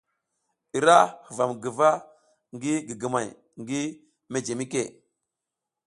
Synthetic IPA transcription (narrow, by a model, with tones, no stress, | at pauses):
i˨ɾa˦hə˨va˨mɡə˨va˦ | ŋɡi˦ɡi˨ɡə˨ma˨j | ŋɡi˦ | me˦d͡ʒe˨mi˦kḛ˦˨